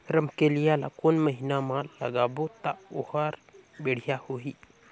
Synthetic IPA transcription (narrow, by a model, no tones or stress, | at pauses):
ɾəmkelijala̰konməɦinamalə̰ɡaːbot̪aohaɾbeɽ̤ijahoɦiː